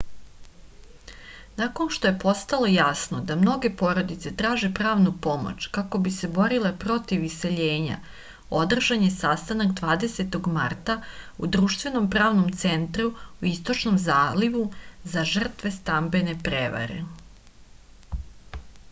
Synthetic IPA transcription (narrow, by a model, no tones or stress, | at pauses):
nako̞nʃt̪o̞je̞po̞st̪alˠo̞jasnod̪amno̞ɡe̞po̞ɾo̞d̪it̪se̞t̪ɾaːʒe̞pɾaːʋnupo̞mo̰t͡ɕkako̞bise̞bo̞ɾile̞pɾo̞t̪iʋise̞ʎe̞ːɲa̰ | o̞d̪r̩ʒaɲe̞sast̪anakd̪ʋaːd̪e̞set̪o̞ɡmart̪aṵd̪ɾuʃt̪ʋe̞no̞mpɾaːʋnomt̪se̞nt̪ɾuuist̪o̞t͡ʃno̞mzaːliʋuzaʒr̩t̪ʋe̞st̪ambe̞ne̞pɾeʋa̰ɾḛ